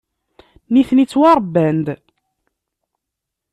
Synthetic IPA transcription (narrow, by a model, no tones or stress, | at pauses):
niθnit͡sːwɑɾˤbːænd̪